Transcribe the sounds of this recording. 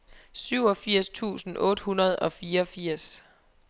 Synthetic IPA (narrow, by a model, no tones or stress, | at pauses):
syʊ̰ɒ̽fiɐ̰st͡sʰṵːsn̩ʔɔ̽ːd̥hunɐð̞̩ˠɒ̽fiːɐɒfiɐ̰s